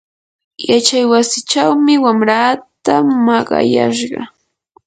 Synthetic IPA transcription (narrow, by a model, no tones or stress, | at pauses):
jat͡ʃajwasɪt͡ʃawmɪwamɾaːt̪amɑɢɑ̰ja̰ʃ̬ɢɑ̰